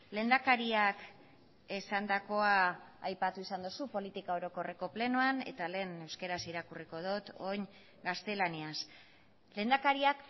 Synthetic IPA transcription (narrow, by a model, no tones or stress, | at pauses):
le̞nd̪akaɾiak | e̞sand̪ako̞aːjpat̪uisand̪usupo̞lit̪ikao̞ɾo̞ko̞re̞ko̞ple̞noane̞̰t̪ale̞ːne̞wskeɾasiɾakuriko̞ð̞ot̪o̞ɲ | ɡast̪e̞lanias | le̞ːnd̪akaɾiak